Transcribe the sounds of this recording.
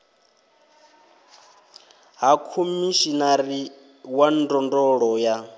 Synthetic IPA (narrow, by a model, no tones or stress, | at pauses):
ɦakʰumiʃinaɾi | wandɔndɔɺɔja